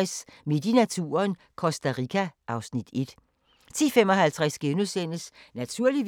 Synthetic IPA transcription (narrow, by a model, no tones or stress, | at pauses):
smed̥inæt͡sʰuːɐn | kʰɒ̽sd̥æʁikʰæʔɑ̈ʊsnid̥e̝d̥ | t͡sʰiːfemɒ̽ɦælt͡sʰʁasɡ̥enusen̰əsnæt͡sʰuɐ̰liʋ